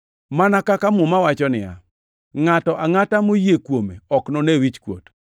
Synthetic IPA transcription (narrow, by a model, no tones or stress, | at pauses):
manakakamʊmawat͡ʃɔnɪja̰ | ŋatɔʔaŋatamojekwomḛɔknonewit͡ʃkwo̰t